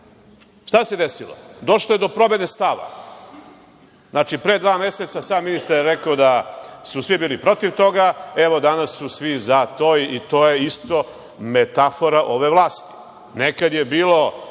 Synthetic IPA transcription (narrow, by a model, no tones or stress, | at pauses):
ʃt̪ase̞d̪esilo̰d̪o̞ʃlojed̪o̞pɾo̞benest̪aʋa̰ | znaːt͡ʃipɾed̪ʋaːme̞set̪sasaːmːinist̪aɾjeɾekaod̪asusʋibiːlipɾo̞t̪iʋt̪o̞ɡae̞ʋo̞d̪anasːusʋizat̪oːiːt̪o̞ːjeist̪o̞ | met̪afo̞ɾaʔo̞ʋe̞ʋlˠaːst̪i̥ | nekad̪jebiːlˠo̞